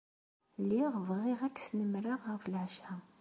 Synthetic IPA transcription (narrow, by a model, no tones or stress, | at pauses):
lːiʁvʁiʁækːsnəmɾaʁːəflʕʃæ